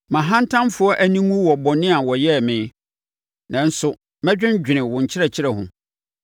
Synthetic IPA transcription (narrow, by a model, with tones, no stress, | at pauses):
mã˨ɦã˦n˦tʰã˦mfʊ˨˦ɔ˦ʔæ˦nĩ˦ŋũ˦wɔ˨bɔ˨nɪ̃˦a˨wɔ˨jɛ˦˨mɪ̃˨˦ | nã˨n̩˦sʊ˨ | mæ̃˦d͡ʑᶣɪ̃˦n˦d͡ʑᶣɪ˨nɪ̃˨wʊ̃˨ɲ̩˨t͡ɕʰɪ˦ɾɛ˨t͡ɕʰɪ˦ɾɛ˨ɦʊ̰̃˨